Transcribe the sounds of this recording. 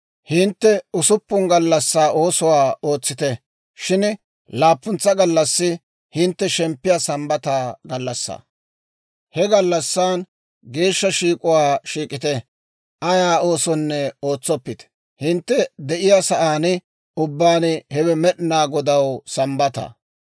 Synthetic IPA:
hɪnt̪ːɛʊsʊpːʊŋɡɐlːɐsːaːʔo̞ːsʊwaːo̞ːt͡sːɪt̪ɛ | ʃɪn | laːpːʊnt͡sːɐɡɐlːɐsːɪ | hɪnt̪ːɛʃɛmpːɪjaːsɐmbɐt̪aːɡɐlːɐsːa̰ː | hɛɡɐlːɐsːaːn | ɡe̞ːʃːɐʃiːkʼʊwaːʃiːkʼɪt̪ɛ | ʔɐjaːo̞ːsɔnːɛo̞ːt͡sːɔpːɪt̪ɛ̥ | hɪnt̪ːɛd̪ɛʔɪjaːsɐʔaːnɪ | ʊbːaːnɪhɛbɛmɛɗɪnaːɡɔd̪ɐwsɐmbɐt̪ɐ̰

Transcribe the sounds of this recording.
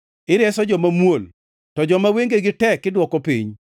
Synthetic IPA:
ɪɾɛsɔd͡ʒɔmamwol | tɔd͡ʒɔmaweŋɡeɡɪtɛkːɪdwɔkɔpḭɲ

